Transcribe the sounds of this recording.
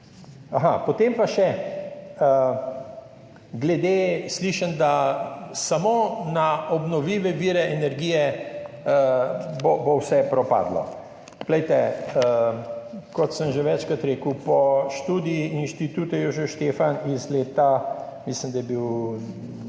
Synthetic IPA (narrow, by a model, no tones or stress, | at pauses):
aɦapot̪empaʃɛ | ə | ɡlɛd̪esliːʃənd̪asamonaɔbnɔʋliːʋɛʋiːɾɛʔɛnɛɾɡiːjɛ | bobowsɛpɾɔpa̰ːd̪lɔ̰ | klɛjt̪ɛ | kɔt̪səmʒeʋɛt͡ʃkat̪ɾeːkəwpɔʃt̪uːd̪ijiinʃt̪it̪uːt̪ɛjoʒɛʃt̪eːfanizleːt̪a | mislimd̪ajɛbiw